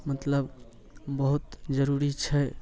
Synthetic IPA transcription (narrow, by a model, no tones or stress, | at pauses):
mət̪ləb | bəɦut̪d͡ʒəɾuɾit͡ʃʰɛ